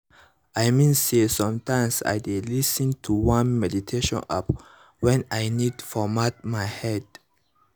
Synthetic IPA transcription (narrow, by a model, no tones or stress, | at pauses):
ajmĩnsesɔ̃mtʰãɪmsa̰jdelisə̃ntʰuwãnmɛditʰeʃɔ̰̃na̰p | wɛ̃najnidfɔmat̚majhɛd̥